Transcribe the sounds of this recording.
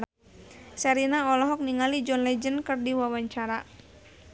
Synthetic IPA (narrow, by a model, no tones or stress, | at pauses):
sɛɾinaɔlɔɦɔk̚niŋalid͡ʒɔnlɛd͡ʒənkərdiwawaɲt͡ʃaɾa